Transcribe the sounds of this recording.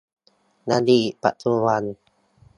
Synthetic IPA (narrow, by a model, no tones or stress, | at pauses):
nadipa̰ʔt̪ʰuwan